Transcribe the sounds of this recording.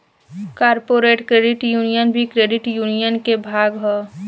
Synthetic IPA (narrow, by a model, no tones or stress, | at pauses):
kaːɾpoːɾeːʈkɾeːɖɪʈjuːnijənbʱikɾeːɖɪʈjuːnijənkebʱaːɡɦɛː